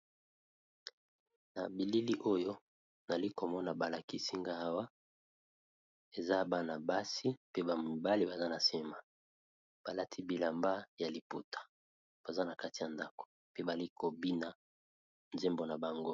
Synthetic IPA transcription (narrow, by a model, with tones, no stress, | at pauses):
na̰˨bi˨li˦li˦ʔo˦jo˦ | na˨li˦ko˨mɔ˦na˨ba˨la˨ki˦si˦ŋɡa˦a˦wa˦ | e˨za˦˨ba˦na˨ba˦si˦pe˦ba˨mu˨ba˦li˦ba˨za˦na˨se˦ma˨ | b̥a˨la˦tʰi˦bi˨la˨mba˦ja˨li˨pu˦tʰḁ˨ | b̥a˨za˦na˨ka˦ti˨a˨nda˦ko̥˨ | pe˦ba˨li˦kʰo˨bi˦na˨ | nze˦mbo˨na˨ba˨ŋɡo˦